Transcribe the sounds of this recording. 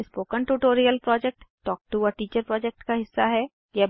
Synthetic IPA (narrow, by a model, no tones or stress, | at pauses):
spoːkənʈuʈoːɾijəlpɾɔːd͡ʒɛk̚ʈːɔːk̚ʈuːɔːɾʈiːt͡ʃəɾpɾɔːd͡ʒɛk̚ʈkaɦɪsːaɦɛ | jɛ